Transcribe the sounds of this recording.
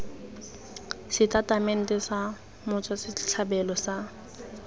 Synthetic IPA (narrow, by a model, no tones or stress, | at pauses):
sɪtʼatʼamɛn̩tʼɛsa | mʊt͡sʼwasɪt͡ɬʰabɛlɔsa